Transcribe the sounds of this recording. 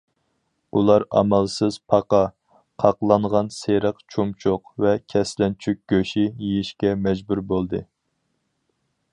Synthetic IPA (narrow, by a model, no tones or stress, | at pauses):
ulˠɑɾɑ̰mɑlˠsɨz̥pʰɑqɑ | qʰɑqlˠɑɴʁɑnseɾəqt͡ʃʰumt͡ʃʰʊqvɛkʲʰɛslɛnt͡ʃʰyk̚ʲɡ̥ʲøʃijijiʃkʲɛmɛd͡ʒbuɾbolˠd̪ɨ